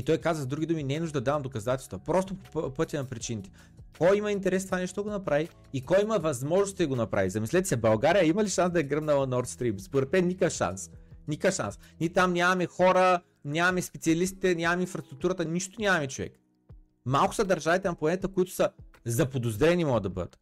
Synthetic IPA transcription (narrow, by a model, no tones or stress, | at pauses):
it̪ɔjkazvəzd̪ɾuɡʲid̪uminɛːnuʒd̪əd̪ɐd̪avɐmd̪okɐzat̪ɛlˠst̪vpɾɔst̪ʊpo̥ppɤt̪ʲənɐpɾit͡ʃinit̪ɛ̥ | kɔjimɐint̪ɛɾɛst̪ovanɛʃt̪ʊd̪ɐɡonɐpɾavi | ikɔjimɐvɐzmɔʒnʊst̪id̪ɐɡonɐpɾʔa̰vizɐmislɛt̪ɛsɛbɐlˠɡaɾijəimɐliʃansd̪ɐɛɡɾəmnɐvɐnɔɾt̪st̪ɾimspoɾɛt̪mɛnnːʲikəfʃa̰nsnikəfʃa̰nsnʲit̪amnʲamɐmɛxɔɾə | nʲamɐmɛspɛt̪sʲiɐlist̪i̥t̪ɛnʲamɐmɛinfɾɐst̪ɾʊk̚t̪uɾət̪əniʃt̪ʊnʲamɐmɛt͡ʃovɛ̰k | malˠkʊ̥səd̪ɐɾʒavit̪ɛnɐplˠɐnɛt̪əkoit̪ʊ̥sɐzɐpod̪ozd̪ɾɛnimɔɡəd̪d̪ɐbɤ̰d̪ə̰t̪